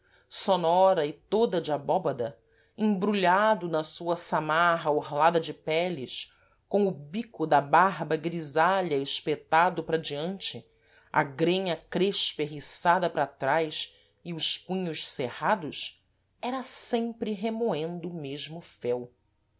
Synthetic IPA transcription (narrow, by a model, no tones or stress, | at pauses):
sonɔɾɐɪt̪od̪ɐd͡ʒɪabɔbɐd̪ɐ | ẽbɾuʎad̪ʊnɐsuɐsamaɦɐohlad̪ɐd͡ʒɪpɛlɪs | kõw̃ʊbikʊd̪ɐbaɦbɐɡɾizaʎɐeʃpet̪ad̪ʊpɾɐd͡ʒiɐ̃nt͡ʃɪ | ɐ̰ɡɾẽɲɐkɾeʃpeɦisad̪ɐpɾat̪ɾajs | ɪʊʃpũɲʊʃsehad̪ʊs | ɛɾɐsẽmpɾɪɦemoẽnd̪ʊːmeʒmʊfɛw